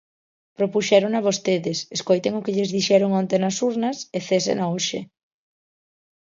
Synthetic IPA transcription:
pɾopuʃɛɾoŋɐβost̪eðɪseskojt̪eŋʊkɪʎɪzðiʃɛɾoŋɔnt̪enɐsuɾnɐseθesḛnaoʃe

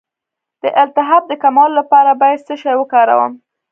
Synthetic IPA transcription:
d̪̥əʔɪlt̪ɪɦab̚d̪əkamɑlːapɑɾabɑjad̪zəʃajwəkɑɾa̰wə̰m

